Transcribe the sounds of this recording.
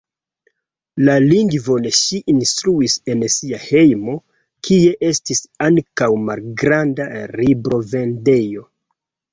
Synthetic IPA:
laliŋɡvo̞neʃiʔinstɾuise̞nsiahe̞jmo̞ | kʰie̞ʔe̞stisaŋkawmalɡɾandaɾibɾo̞ve̞nde̞jo̞

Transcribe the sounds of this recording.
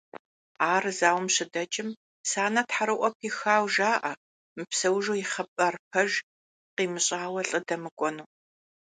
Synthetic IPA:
aːrzaːwmɕɪdɐt͡ʃʼɪm | saːnɐtħaɾɨʔʷɔpʰixaːwʒaːʔɐ | mɨpsɐwʒoːjɪχɐpʼɐrp̚ʰɐʒ | qiːmɨɕʼaːwɐɬʼɨdɐmɨkʷʼɔnuː

